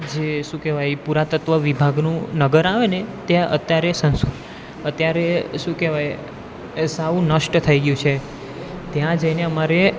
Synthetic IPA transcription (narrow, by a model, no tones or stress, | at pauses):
d͡ʒeʃũkɛʋajpuɾat̪ət̪ʋəʋibʱaɡnũnəɡəɾaʋenet̪jaʔə̰t̪jaɾesəns | ət̪jaɾeʃũkɛʋaj | saũnəʃʈt̪ʰəiɡjũt͡ʃʰe | t̪jãd͡ʒəjneəmaɾe